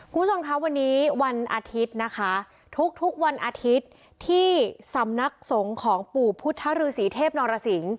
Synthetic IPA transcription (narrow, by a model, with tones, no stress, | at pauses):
kkʰu˧mʰ˦˥t͡ɕʰo˧mkʰa˦˥wa˧nːiː˦˥wa˧nʔaː˧t̪ʰi˦˥t̪̚na˦˥kʰa˦˥ | t̪ʰu˦˥k̚t̪ʰu˦˥k̚wa˧nʔaː˧t̪ʰi˦˥t̪̚ʰː | iː˥˩sa˩˦mna˦˥k̚so˩˦ŋkʰɔː˩˦ŋpuː˨˩pʰu˦˥t̪ʰːa˦˥ɾɯː˧siː˩˦t̪ʰeː˥˩p̚nɔː˧ɾa˧si˩˦ŋ